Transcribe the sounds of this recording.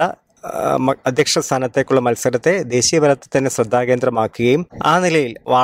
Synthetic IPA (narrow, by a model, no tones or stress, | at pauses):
ɐ | mɐd̪ʱjɐkʂɐst̪ʰaːnɐt̪ːe̞ːkːuɭːɐmɐlsɐɾɐt̪ːe̞d̪e̞ːɕijɐbɐɾɐt̪ːe̥t̪ːɐnːesrɐd̪ʱːaːke̞ːnd̪rɐmaːkːuɣɐjuma̰ːnilɐjilʋaː